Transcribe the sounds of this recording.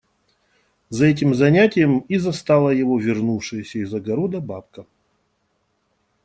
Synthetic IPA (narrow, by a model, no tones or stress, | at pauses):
zɐɛt̬ʲɪmzɐnʲætʲɪjəmizɐst̪alˠəjɪvovʲɪrnufʂɨjəsʲəizɐɡɐɾod̪əbap̚kə